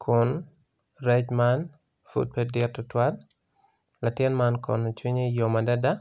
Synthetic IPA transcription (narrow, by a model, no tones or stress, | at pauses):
kʰʊn | ɾɛt͡ʃman | fṵd̚pedɪtːɔtwal | latɪnmankɔ̰nɔt͡ʃwiɲejomadada